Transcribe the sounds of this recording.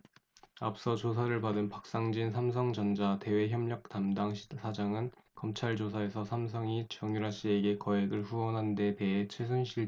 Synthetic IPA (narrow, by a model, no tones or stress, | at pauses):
ap̚s͈ʌt͡ɕosʰaɾɯɭpadɯnpak̚s͈aŋd͡ʑinsʰamsʰʌŋd͡ʑʌnd͡ʑate̞we̞çjʌmɲʌk̚tamdaŋɕʰi̥sʰad͡ʑaŋɯnkʌmt͡ɕʰaɭd͡ʑosʰae̞sʰʌsʰamsʰʌŋit͡ɕjʌŋjuɾɦaɕ͈ie̞ɡe̞kʌe̞ɡɯɭɸuwʌnɦande̞te̞ɦet͡ɕʰwesʰunɕʰiɭ